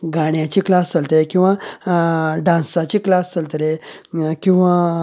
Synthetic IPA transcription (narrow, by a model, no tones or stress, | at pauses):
ɡaɳjat͡ɕiklast͡səlt̪əlekĩw̃ʋa | ɖãnsat͡ɕiːklast͡səlt̪lekĩw̃ʋa